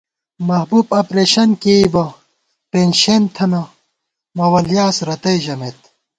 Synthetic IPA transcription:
mɐɦbuːpɐpɾeːɕɐnkeibɐ | penɕent̪ʰɐnɐ | mɐwɐljaːsɾɐt̪ɐjʑɐmet̪

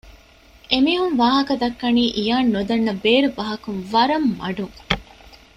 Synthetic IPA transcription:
ʔemiːɦunʋaːɦɐkɐd̪ɐkːɐniːʔijaːnːod̪ɐnːɐbeːɾubɐɦɐkunʋɐɾɐmːɐɖuŋ

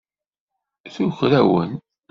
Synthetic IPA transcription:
θuxɾæwə̰n

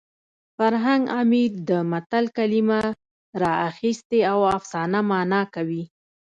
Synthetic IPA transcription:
faɾɦaŋɡamid̪əmat̪alkalima | ɾɑaxist̪eawafsɑnamɑnɑkawi

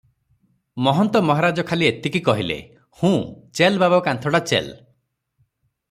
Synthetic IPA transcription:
mɔɦɔnt̪ɔmɔɦaɾad͡ʒɔkʰaliet̪ikikɔɦilḛ | hũt͡ʃelbabakant̪ʰɔɽat͡ʃḛl

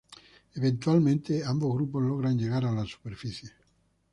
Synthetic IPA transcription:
event̪ualment̪eamboɡɾupːolɔɣɾand͡ʒeɣaɾalasu̥perfisje

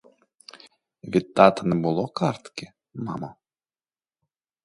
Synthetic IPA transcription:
ʋʲit̪ːɑt̪ɐnɛbʊlˠɔkɑɾt̪kʲɪ | mɑmɔ

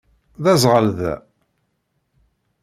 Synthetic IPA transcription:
ðæzˤʁəlðæ̰

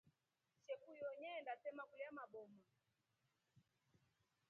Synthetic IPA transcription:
ʃɛkujɔɲɛndasɛmakuliamaɓɔma

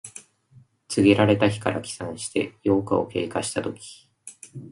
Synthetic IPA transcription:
t͡sɨɡʲiɾaɾe̞t̪açi̥kaɾʔa̰kʲi̥sãɰ̃ɕi̥t̪e̞̰jo̞ːkao̞̰ke̞̰ːkaɕi̥t̪at̪o̞kʲi̥

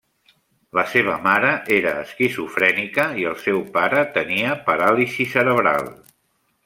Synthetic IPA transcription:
ləseβ̞əmaɾəʔeɾəːskizufɾɛnikəiəlˠsɛwpaɾət̪əniəpəɾalisisəɾəβɾa̰lˠ

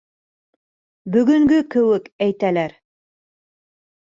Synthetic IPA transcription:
bɵ̆ɡɵ̆ŋɡɵkɘ̆wɘkæjt̪ælæɾ

